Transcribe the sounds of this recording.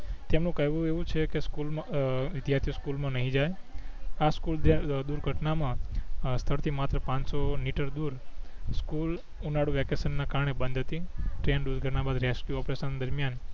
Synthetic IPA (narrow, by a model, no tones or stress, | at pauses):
t̪emnũkəɦʋũeʋũt͡ʃʰekeskulmaʋɪd̪jaɾt̪ʰijoskulmãnəɦĩd͡ʒaj | askuld̪uɾɡʱəʈnamãst̪ʰəɾt̪ʰimat̪ɾəpãɲt͡ʃsoniʈəɾd̪uɾskul | unaɽuʋɛkesənːakaɾɳebənd̪ʱət̪iʈɾenɖud͡ʒɡʱənabad̪ɾeskjuɔpɾesənd̪əɾmjan